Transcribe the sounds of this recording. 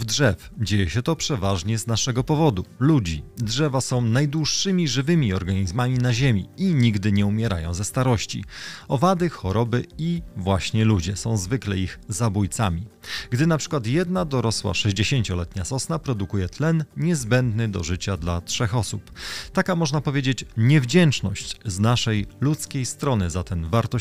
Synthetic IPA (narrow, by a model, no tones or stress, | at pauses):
vdʐɛfd͡ʑejɛɕɛt̪ɔpʂɛvaʐɲɛznaʂɛɡɔpɔvɔd̪ulud͡ʑidʐɛvasɔ̃w̃najd̪wuʂːɘmʲiʐɘvɘmʲiɔɾɡaɲizmamʲinaʑemʲiiɲiɡd̪ɘɲɛumʲɛɾa̰jɔ̰̃w̃zɛst̪aɾɔɕt͡ɕḭɔvad̪ɘxɔɾɔbɘivwaɕɲɛlud͡ʑɛsɔ̃w̃zvɘklɛiɣzabujt̪samʲiɡd̪ɘnapʂɘ̥kwat̪jɛd̪nad̪ɔɾɔswa̰ʂɛʑd͡ʑeɕeɲt͡ɕɔlɛt̪ɲasɔsnapɾɔd̪ukujɛt̪lɛnɲɛzbɛnd̪nɘd̪ɔ̰ʐɘt͡ɕad̪latʂɛxɔsupt̪akamɔʐnapɔvʲjed͡ʑet͡ɕɲɛvd͡ʑɛnt͡ʂnɔɕt͡ɕznaʂɛjlut̪skʲejst̪ɾɔnɘzat̪ɛnvaɾt̪ɔ